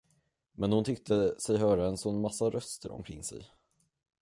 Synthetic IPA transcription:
mɛnhʊnt̪ʰʏk̚t̪ʰəsɛjɦœːɾaɛnsɔnːmasːaɾœst̪ʰəɾɔ̰mkʰɾɪŋːsɛ̰j

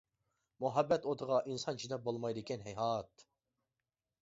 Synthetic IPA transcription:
muɦɛbːɛt̪ot̪ʰəʁɑʔinsɑnt͡ʃʰid̪ɛp̚bolˠmɑjd̪ɪkʲʰɛnɦɛjɦɑːt̪

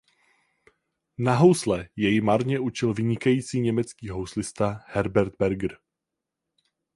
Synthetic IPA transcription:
naɦowslɛjɛjɪmaɾɲɛʔut͡ʃɪlvɪɲɪkajiːt͡siːɲɛmɛt͡skiːɦowslɪst̪ahɛɾbɛɾd̪̚bɛɾɡɾ

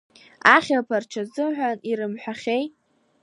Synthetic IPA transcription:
aχʲalpʰart͡ʃʰazɨmħᶣʷaniɾɨmħʷᶣaχʲej

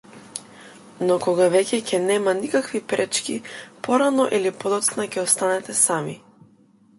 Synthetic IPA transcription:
nɔkɔɡavɛcʲɛcʰɛnɛmanikakvipɾɛt͡ʃkʲipɔɾanɔʔilipɔd̪ɔt̪snacɛɔst̪anɛt̪ɛsami

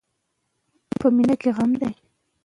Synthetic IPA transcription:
pəminakeɣamd̪aj

